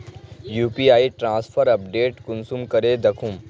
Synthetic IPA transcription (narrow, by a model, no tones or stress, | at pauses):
juːpiaːiʈɾãːspʰəɾɐp̚ɖeːʈkʊnsumkɐɾed̪ɐkʰum